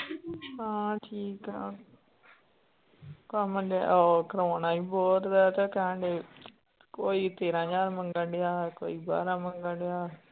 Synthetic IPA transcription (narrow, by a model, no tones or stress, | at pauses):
ɦãːʈʰiːkaː | kãməɖa̰oːkəɾoːnaːiːbɔːt̪d̪ɛːt̪aːkəə̃ɳɖeː | koːiːt̪eːɾãːd͡ʒaːɾməŋɡəɖɪjaːko̰ːiːba̰ːɾãːməŋɡəɖɪjaː